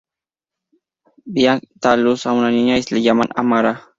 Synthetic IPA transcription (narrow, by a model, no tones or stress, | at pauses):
bijak̚t̪alusamunaniɲaislid͡ʒamana̰maɾa